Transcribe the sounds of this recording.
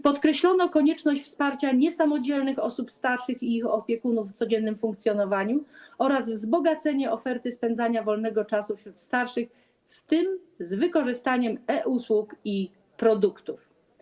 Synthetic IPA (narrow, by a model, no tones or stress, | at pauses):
pɔt̪kɾɛɕlɔnɔkɔɲɛt͡ʂnɔɕt͡ɕʲfspaɾt͡ɕaɲɛsamɔd͡ʑɛlnɘxɔsupst̪aɾʂɘxiixɔpʲjɛkunufːt̪sɔd͡ʑɛnːɘmfuŋkt̪sʲjɔnɔvaɲuɔɾazvzbɔɡat̪sɛɲɛɔfɛɾt̪ɘspɛnd̪zaɲavɔlnɛɡɔt͡ʂasufɕɾut̪st̪aɾʂɘx | ft̪ɘm | zvɘkɔʐɘst̪aɲɛmɛʔuswuki | pɾɔd̪ukt̪uf